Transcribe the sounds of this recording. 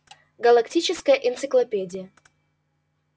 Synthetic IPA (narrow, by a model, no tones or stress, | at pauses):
ɡɐlˠɐktʲit͡ɕɪskəjəʔɪnt̪sɨklˠɐpʲedʲɪjə